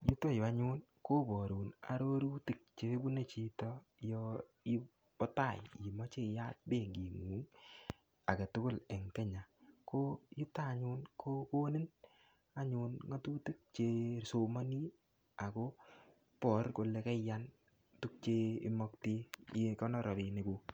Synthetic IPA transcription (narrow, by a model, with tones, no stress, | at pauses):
ju˦tɔ˦jɔ˨a˦ɲʊ˦n | ko˦bɔ˨ɾu˨na̰˨ɾo˦ɾu˦ti˨k̚t͡ʃe˦bu˦ne˦t͡ʃi˨tɔ˦ | jɔ˦ | ɪ˦ | bɔ˦ta˦˨ji˨mɔ˦t͡ʃe˦ja˦t̚be˦˨ŋɡi˨ŋu˨˦ŋ | a˨ke˨tʊ˦kʊ˦˨lɛ˨ŋkɛ˦ɲa˨ko˦ji˦ta˦˨ɲʊ˦nkʰo˦ko˦nɪ˦n | a˦ɲʊ˨nŋɔ˦tu˦ti˦k̚t͡ʃe˦so˨ma˦ni˦ | a˨ko˦ | pɔ˨˦ɾko˨le˦kɛ˦ja˦n | tu˦k̚t͡ʃe˦ɪ̰˦mɔ˦kti˦je˦kɔ˦nɔ˦ɾɔ˨ɾɪ˨nɪ˨kʊ˨